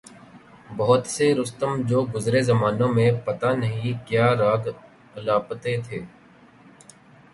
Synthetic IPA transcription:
bɔɦt̪seɾʊst̪əmd͡ʒoːɡʊzɾezɐmaːnõmẽpɐt̪anɐɦĩkjaːɾaːɡ | laːpət̪et̪ʰeː

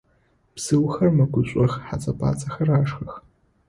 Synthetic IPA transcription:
psɨwxɐrmɐɡʷʰʊɕʷʼɐxħa̰t͡sʼɐpʰʼa̰ːt͡sʰʼɐxɐraːʂxɐx

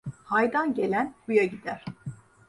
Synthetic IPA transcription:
hajd̪anɟe̞lʲænbujaɟid̪æɾ̥

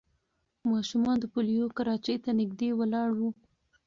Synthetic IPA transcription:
mɑʃumɑnd̪əpolijokaɾɑt͡ʃejt̪anɪɡd̪ewəlɑɽwu

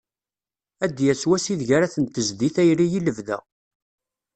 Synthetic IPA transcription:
æd̪jæswæsiðʝaɾæθənt̪ːəzðiθæjɾijiləvðæ̰

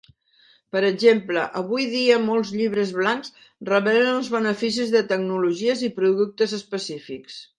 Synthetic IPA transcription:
pəɾəʒempləʔəβujðiəmɔlˠzʎiβɾəzβlaŋz | rəβɛlənəlˠzβənəfis̬izðət̪əɡnuluʒiəzipɾuðuk̚t̪əzəspəsifiks

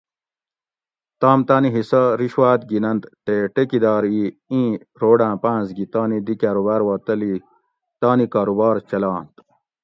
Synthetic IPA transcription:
t̪aːmt̪aːniɦisɐɾiɕwaːt̪̚ɡinɐnt̪ʈeʈekid̪aːɾiĩː | ɾoːɖãːpãːzɡit̪aːnid̪ikaːɾubaːɾwɐːt̪ɐli | t̪aːnikaːɾubaːɾt͡ɕɐlãːnt̪

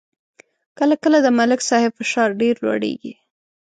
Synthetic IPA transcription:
kəlakəlad̪əmalɪksɑhɪbfɪʃɑɾɖeɾlwa̰ɽḛɡḭ

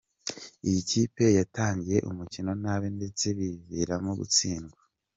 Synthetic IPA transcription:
ijiciːpe̞jataːɲɟije̞ʔumucino̞naːβende̞t͡se̞βiviɾamoɡṵt͡siːŋɡwa

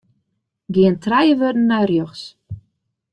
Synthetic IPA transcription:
ɡiəntrɛjəʋørdn̩ːajrjøxs

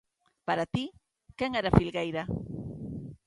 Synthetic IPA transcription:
paɾat̪i | keŋɛɾafilɣejɾa

